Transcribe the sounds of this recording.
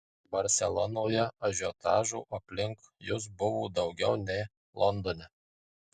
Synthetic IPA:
bɐɾʲsʲɛlˠɔnoːjɛɐʒʲoːt̪ɑ̰ːʒuːʔɐpʲlʲɪŋkjʊs̬bʊʋuːd̪ɒʊɡʲɛʊnʲɛɪ | lˠɔnd̪oːnʲɛ

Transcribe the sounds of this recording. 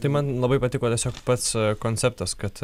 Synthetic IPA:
t̪ɐɪmɐnlˠɐbɐɪpɐt̪ʲɪkoːt̪ʲiɛsʲoːkpɐt̪skoːnʲt͡sʲɛpt̪ɐskɐt̪

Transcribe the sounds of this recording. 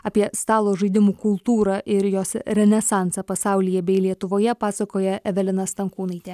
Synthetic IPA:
ɑːpʲiɛst̪ɑːlˠoːʒɐɪd̪ʲɪmuːkʊlˠt̪uːɾɑːʔɪɾjoːsɾʲɛnʲɛsɑˑnsɑpɐsɑˑʊlʲɪjɛbʲɛɪlʲiɛt̪ʊʋoːjɛpɑːsɐkoːjɛʔɛʋʲɛlʲɪnɐst̪ɐŋkuːnɐɪt̪ʲeː

